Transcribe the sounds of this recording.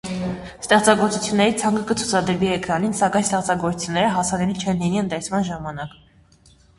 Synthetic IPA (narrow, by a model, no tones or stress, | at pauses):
st̪ɛχt͡sɑɡɔɾt͡sut͡sʰjunːɛɾit͡sʰɑŋkəkət͡sʰu̥t͡sʰɑd̪əɾviɛkɾɑninsɑkɑjnst̪ɛχt͡sɑɡɔɾt͡sʰu̥t͡sʰjunːɛɾəɦɑsɑnɛlit͡ʃʰɛnliniənt̪ɛt͡sʰmɑnʒɑmɑnɑk